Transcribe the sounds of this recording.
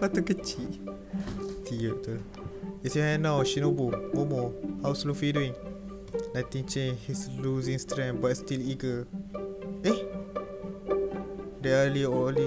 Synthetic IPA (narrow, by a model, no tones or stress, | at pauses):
pat̪ukət͡ʃiʔ | t̪iəʔt̪u | isiɛnãwʃinobomɔmɔhawslofidĩŋ | nat̪ĩŋt͡ʃẽnhisluzĩŋst̪ɾɛ̃ŋbatst̪iliɡə | eh | ɹiəliɔli